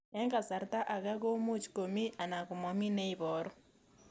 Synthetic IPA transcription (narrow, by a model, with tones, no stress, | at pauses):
ɛ˦ŋka˨sa˨ɾta˦ʔa˨ɣa˦ɣo˦mu˦t͡ʃko˨mi˦ʔa˨na˨kʊ˨mɔ˨mi˦ne˦i˨βɔ˨ɾɔ˦